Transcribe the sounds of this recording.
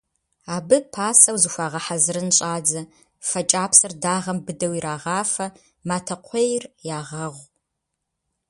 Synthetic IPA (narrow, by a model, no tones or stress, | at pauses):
aːbɨpʰaːsɐwzɨxʷaːʁɐħazɨɾɨnɕʼaːd͡zɐ | fɐt͡ʃʼaːpsɐrdaːʁɐmbɨdɐwiɾaːʁɑːfɐ | maːtʰɐqʷʰejrjaːʁɐʁʷ